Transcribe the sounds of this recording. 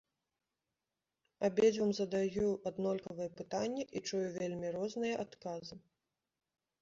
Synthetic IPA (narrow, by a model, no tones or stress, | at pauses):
abʲed͡zʲvɐmzɐd̪ajuad̪nɔlʲkɐvɨjɛpɨt̪anʲːɛʔit͡ʂujuvʲelʲmʲiɾɔznɨjɐʔat̪kazɨ